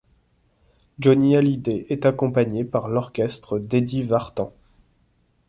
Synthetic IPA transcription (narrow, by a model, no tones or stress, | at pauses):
d͡ʒɔnialid̪eʔɛt̪akɔ̃paɲepaʁlɔʁkʲɛst̪χəd̪ed̪ivaʁt̪ɑ̃